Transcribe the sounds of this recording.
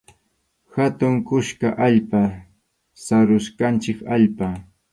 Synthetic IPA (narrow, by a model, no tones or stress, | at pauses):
hat̪ʊŋkʊʃkaʔaʎpa | saɾʊʃkant͡ʃɪkaʎpa